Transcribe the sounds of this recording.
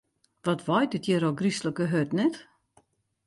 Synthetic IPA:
ʋɔtʋɔjdɪtʰjəɾoɡrisləkəɦøtnɛt

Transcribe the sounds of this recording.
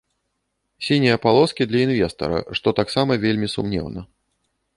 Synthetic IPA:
sʲinʲijɐpalˠɔskʲid̪lʲɐinvʲɛst̪ɐ̰ɾɐ̰ʂt̪ɔt̪aksamɐvʲelʲmʲisṵmnʲɛ̰wnɐ

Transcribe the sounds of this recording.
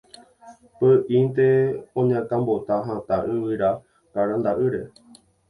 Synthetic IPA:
pəʔĩnt̪eõɲãkãmbot̪aɦãt̪aʔɨ̃wɨɾa | kaɾand̪aʔɨɾe̞

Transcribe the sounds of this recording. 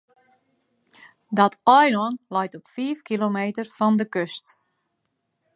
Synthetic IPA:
dɔtʰɔjlɔnlɔjtɔpfiːfkilomeːtərfɔndəkøst

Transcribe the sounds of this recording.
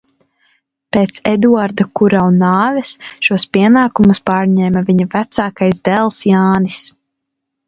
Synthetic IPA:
peːt̪sɛd̪uaɾd̪ɐkuɾawunːaːvɛsʃuɔspiɛnaːkumuspaːɾɲɛːmaviɲɐvæt̪saːkajzd̪ɛlˠsjaːnis

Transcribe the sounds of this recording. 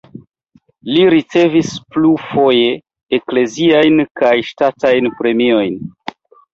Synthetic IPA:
liɾit͡se̞visplufo̞jeː | kle̞ziajnkajʃtatajnpɾe̞mio̞jn

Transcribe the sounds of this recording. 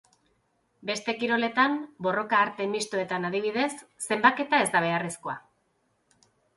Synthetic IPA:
be̞st̪e̞kiɾo̞le̞t̪ambo̞ro̞kaːɾt̪e̞mist̪oe̞t̪anaðiβiðe̞sːe̞mbake̞t̪ae̞zd̪aβ̞e̞aresko̞a̰

